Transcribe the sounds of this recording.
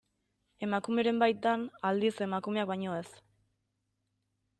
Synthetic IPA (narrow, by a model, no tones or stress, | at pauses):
e̞makume̞ɾe̞mbajt̪̚d̪anald̪ise̞makume̞ak̚bajɲo̞e̞s